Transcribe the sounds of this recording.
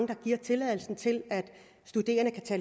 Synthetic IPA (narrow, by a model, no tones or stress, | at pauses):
ŋəd̥ɑ̈ɡ̥iɐ̰t͡sʰe̝lɛðˠl̩sn̩t͡sʰe̝læd̥ | sd̥ud̥e̝̰ːɐnəkʰæt͡sʰæ